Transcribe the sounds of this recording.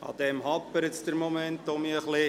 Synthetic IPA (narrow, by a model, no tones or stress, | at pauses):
ɑ̰d̪ɛmɦɑppːəɾət̪sd̪əɾmomɛnt̪omiəχlɪ